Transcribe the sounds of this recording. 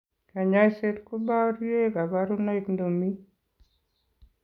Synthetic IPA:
ka˨ɲa˦jse˦tku˦ba˦ɾje˦ka˨ba˦ɾu˦na˦i˨kndo˨mi˦

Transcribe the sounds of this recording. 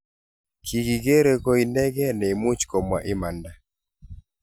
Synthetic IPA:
kʰi˨ɡi˨ɡe˦ɾe˨ko˦i˨nɛ˦ɡɛ˦nɛ˨i˨mu˦t͡ʃkɔ˨mwa˨ʔɪ˦ma˨nda˨

